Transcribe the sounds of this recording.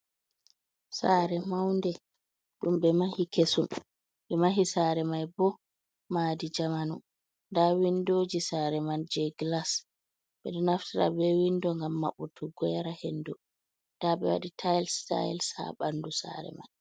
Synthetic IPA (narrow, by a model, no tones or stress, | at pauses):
saɾɛmawndɛ | ɗumɓɛmahikʰesum | ɓɛmaɦisaːɾɛmajbɔ | maːdid͡ʒamanu | ndawindod͡ʒisaɾɛmand͡ʒɛɡlas | ɓɛɗɔnaftiɾa̰bɛwindɔŋɡamːa̰ɓutʰuɡwɛɾahendɔ | daɓɛ̰wa̰ɗitʰajlsta̰jlsa̰ɓandusa̰ɾɛ̰ma̰j